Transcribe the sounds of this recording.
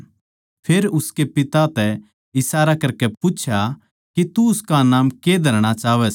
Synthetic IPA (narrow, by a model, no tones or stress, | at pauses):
pʰeːɾʊskepɪt̪at̪ɛ | ɪsaːɾakɐɾkɛput͡ʃʰja | kit̪uʊskanaːmked̪ʱɐɾɽ̃at͡ʃaːʋɛs